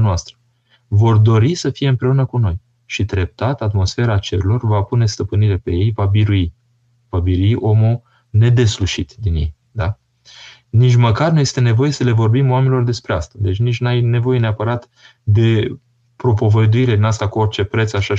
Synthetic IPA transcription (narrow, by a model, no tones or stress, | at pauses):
noast̪ɾə | vo̞rd̪o̞ɾisəfije̞ɨmpɾe̞unəkuno̞j | ʃid̪ɾe̞p̚t̪at̪at̪mo̞sfe̞ɾaːt͡ʃe̞ɾulo̞rvapune̞st̪əpɨniɾe̞pe̞je̞jvabiɾui | vabiɾuiʔo̞mu | ne̞d̪e̞sluʃit̪d̪injḛj | d̪a | nit͡ʃʲməkarnuje̞st̪e̞ne̞vo̞je̞səle̞vo̞rbimoamenilo̞rd̪e̞spɾeast̪ad̪e̞t͡ʃʲnit͡ʃʲnajne̞vo̞je̞neapəɾat̪ | d̪e̞ | pɾo̞po̞vəd̪uiɾe̞d̪inast̪akuorʲt͡ʃe̞pɾe̞t̪saʃa